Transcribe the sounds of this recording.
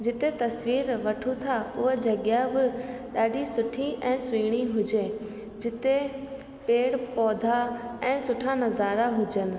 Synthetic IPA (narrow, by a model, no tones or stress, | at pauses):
d͡ʑɪt̪et̪ɐsʋiːɾʋɐʈʰut̪ʰaʊɦed͡ʑɐɠjabɪɗaːɗisʊʈʰiʔɛ̃ːsʊiːɽ̃iɦʊd͡ʑe | d͡ʑɪt̪e | peːɽpɔːd̪ʱaɛ̃ːsʊʈʰanɐzaːɾaɦʊd͡ʑənɪ̆